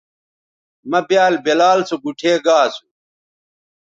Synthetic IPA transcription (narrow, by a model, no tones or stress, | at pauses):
mɐbjaːlbelaːlsoɡuʈʰeːɡaːsu̥